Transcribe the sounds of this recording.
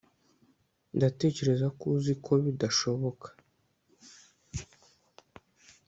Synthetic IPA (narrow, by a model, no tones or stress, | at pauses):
ndate̞ːce̞ɾe̞zakuzikʰo̞βidaʃo̞βo̞kʰḁ